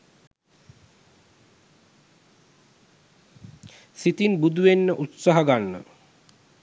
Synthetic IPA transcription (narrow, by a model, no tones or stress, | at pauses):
sit̪inbud̪ʱuʋenːəʔut̪saɦaɡanːə̰